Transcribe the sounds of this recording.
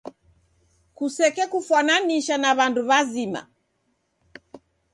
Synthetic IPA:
kusɛkɛkufwananiʃanaβanduβazima̰

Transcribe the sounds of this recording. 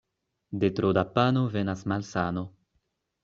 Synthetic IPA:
d̪et̪ɾod̪apanovenasmalsano

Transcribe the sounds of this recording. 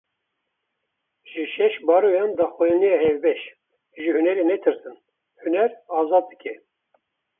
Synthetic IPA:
ʒ̥ɨʃɛʃbɑːɾojɑnd̪ɑːxɔjɑnijɑhɛvbɛʃ | ʒɨhunɛɾenɛt̪ʰɨɾt̪ɨn | hunɛɾɑːzɑːd̪̚ːɨkʰɛ

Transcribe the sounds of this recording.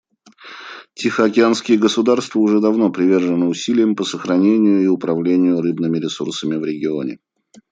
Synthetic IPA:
tʲɪxəɐkʲɪanskʲɪjəɡəsʊd̪arst̪vəʊʐɛd̪ɐvno̞pɾʲɪvʲe̞rʐɨnəʊsʲilʲɪjəmpəsəxɾɐnʲenʲɪjʊɪʊpɾɐvlʲenʲɪjʊɾɨbnɨmʲɪɾʲɪsṵrsəmʲɪvɾʲɪɡʲɪo̞̰nʲɪ̰

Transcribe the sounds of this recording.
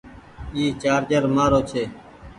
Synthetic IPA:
iːt͡ʃaːɾd͡ʒəɾmaːɾoːt͡ʃʰeː

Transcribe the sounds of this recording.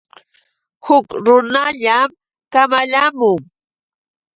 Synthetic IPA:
hʊkɾʊnaʎam | kamaʎamʊŋ

